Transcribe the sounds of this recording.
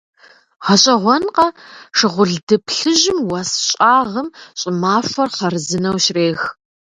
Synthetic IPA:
ʁɐɕʼɐʁʷɔnqɐʂɨʁʷʊɮdɨpʰɬɨʑɪmwɐsɕʼaːʁəmɕʼɪmaːfʷɐrχɐrɨzɨnɐwɕreːx

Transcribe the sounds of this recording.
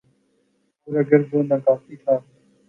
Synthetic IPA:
puɾeːɡəɾboːnãːkaːfiːt̪ʰaː

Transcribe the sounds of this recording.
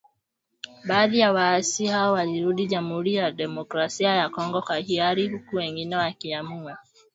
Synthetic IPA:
baːðiaβaːsihaowaliɾudiɟamhuɾijademokɾasijajakɔŋɡɔkahiaɾihukuweŋɡinewakiamua

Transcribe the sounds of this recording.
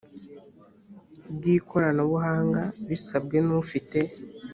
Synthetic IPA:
bɡiːkʰo̞ɾanoβuɦaːŋɡaβisabɡe̞nufite̞

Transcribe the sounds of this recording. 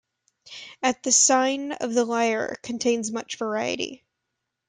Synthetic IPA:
ɨt̪̚ðɨsãɪ̃nʌ̰vðəlaɪə̰˞kʰɨ̃ntʰẽɪ̃nzmʌt͡ʃv̥ə˞aɪɨ̰ɾḭ

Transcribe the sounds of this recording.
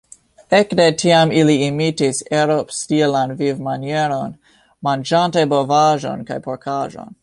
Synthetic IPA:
ekdetʰiamiliimitiseɾopstilanvivmanjeɾon | mand͡ʒantebovaʒo̰nka̰jpoɾkʰaʒo̰n

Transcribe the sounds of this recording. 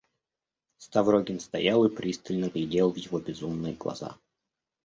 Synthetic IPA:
st̪ɐvɾoɡʲɪnst̪ɐ̰jalˠɨpɾʲist̪ɨlʲnəɡlʲɪdʲelˠvjɪvobʲɪzumnɨjɡlˠɐ̰za̰

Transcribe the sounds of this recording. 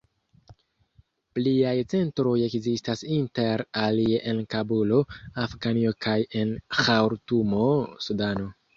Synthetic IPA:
pliajt͡se̞ntɾo̞je̞kzistasinte̞ɾalieʔe̞nkabulo̞afɡanio̞kaje̞nxawɾtumo̞sudano̞

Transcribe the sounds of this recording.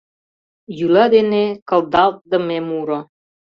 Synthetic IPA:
jylɑd̪enekə̆ld̪ɑlˠt̪̚d̪ə̆memuɾŏ

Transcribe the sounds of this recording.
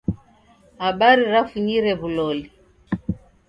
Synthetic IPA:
haɓaɾiɾafuɲiɾɛβulɔli

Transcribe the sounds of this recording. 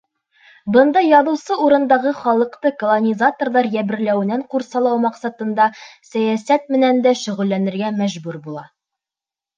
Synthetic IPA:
bɤ̆nd̪ɑjɒðŭwsɤuɾɤ̆nd̪ɑʁɤχɒlˠɤ̆qt̪ɤkŏlˠonʲizat̪orlˠɑɾjæbɘ̆ɾlæwɘ̆næɴquɾsɑlˠɑwmɑqsɑt̪ɤ̆nd̪ɑsæjæsæt̪̚mɘ̆nænd̪æʃɵ̆ʁɵ̆lːænɘ̆ɾɡæmæʑbʉɾbulˠɑ

